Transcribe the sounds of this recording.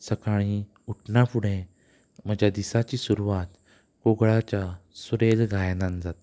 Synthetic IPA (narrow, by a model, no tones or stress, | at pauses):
səkaɽ̃i | uʈʰnafuɽẽ | m̤əd͡ʑad̪isat͡ɕiːsuɾuʋat̪ | koɡɭat͡ɕasuɾelɡʱajnand͡zat̪